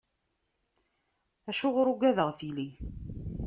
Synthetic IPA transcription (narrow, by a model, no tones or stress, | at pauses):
æʃʊʁɾʊɡʷæðəʁθili